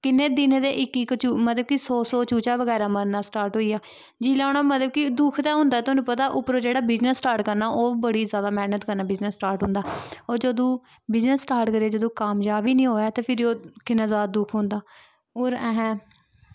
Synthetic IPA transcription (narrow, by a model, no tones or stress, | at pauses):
kɪnːeːd̪ɪnẽːd̪eːʔɪkɪkt͡ʃumət̪ləb̚kɪsoːsoːt͡ʃuːt͡ʃaːʋəɡɛːɾaːməɾnaːsʈaːɾʈɦoːiːaː | d͡ʒiːlaːʊɽ̃naːmət̪ləb̚kɪd̪ʊkʰt̪aːɦʊ̃ːnd̪aːt̪ʊnũːpət̪aːʔʊpːɾoːd͡ʒeːɽaːbɪznəsːʈaːɾʈkəɾnaːʔoːbəɽiːzjaːd̪aːmɛːnət̪kəɾnaːbɪznəsːʈaːɾʈɦʊ̃ːnd̪aːoːɾd͡ʒəd̪õː | bɪznəsːʈaːɾʈkəɾeːd͡ʒəd̪õːkaːmjaːbiːnĩːɦoːjaːt̪eːpʰɪɾioːkɪnːãːzaːd̪ad̪ʊkʰɦʊ̃ːnd̪aː | oːɾɛːɦɛ̃ː